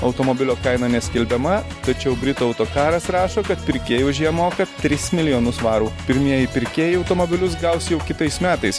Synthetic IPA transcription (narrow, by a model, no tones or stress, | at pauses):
ɐʊt̪oːmoːbʲɪlʲoːkɐɪnɐnʲɛsʲkʲɪlʲbʲɛmɐt̪ɐt͡ʃʲɛʊbʲɾʲɪt̪uːɐʊt̪oːkɑːɾɐsɾɑːʃoːkɐt̪̚pʲɪɾʲkʲeːjuːʒʲiɛmoːkɐt̪ʲɾʲɪsmʲɪlʲɪjoːnʊsʋɑːɾuːpʲɪɾʲmʲiɛjɪpʲɪɾʲkʲeːjɪɐʊt̪oːmoːbʲɪlʲʊsɡɐʊsjɛʊkʲɪt̪ɐɪsmʲæːt̪ɐɪs